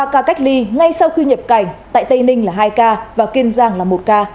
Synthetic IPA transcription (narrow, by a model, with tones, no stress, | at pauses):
aː˧kaː˧ka˦˥jk̟̚li˧ŋa˧jsa˧wxi˧ɲə˨˩p̚ka˨˩jŋ̟t̪a̰ː˧˨jt̪ə˧jnï˧ŋ̟laː˨˩ɦaː˧jkaː˧vaː˨˩ki˧nzaː˧˩ŋlaː˨˩mo˨˩t̚kaː˧